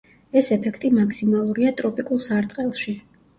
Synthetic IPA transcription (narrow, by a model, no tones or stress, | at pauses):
ɛsɛpʰɛkʰt̪ʼimakʰsimalˠuɾiat̪ʼɾɔpʼikʼulˠsaɾt̪ʼqʼɛlˠʃi